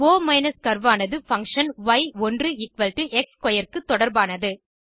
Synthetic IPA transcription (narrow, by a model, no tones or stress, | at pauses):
oːmɐɪnɐskɐɾʋaːnɐðɯfɐŋkʂɐnʋɐɪɔndrɯɪkʋɐlʈɯʔɛkskɔjɐɾkɯt̪ːɔɽɐɾbaːnɐðɯ